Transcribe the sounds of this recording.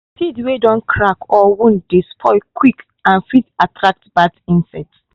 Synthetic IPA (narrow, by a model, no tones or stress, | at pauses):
pʰidwedɔ̃nkʰɹakɔwũndispʰɔɪkʰwik | ãnfitatʰɹak̚tb̥atĩnsɛts